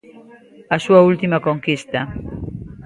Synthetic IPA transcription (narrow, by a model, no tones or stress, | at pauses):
asuault̪imakoŋkist̪ɐ